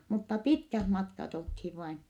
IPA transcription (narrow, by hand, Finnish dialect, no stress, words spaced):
mutːɑ pitkæh mɑtkɑt olthiʋ ʋɑin